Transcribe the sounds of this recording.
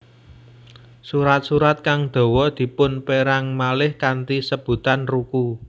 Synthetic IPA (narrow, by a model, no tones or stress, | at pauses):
suɾat̪̚suɾat̪̚kaŋd̪̥o̤wɔd̪̥i̤pʊnpeɾaŋmalɪhkant̪isəb̥ṳt̪anruku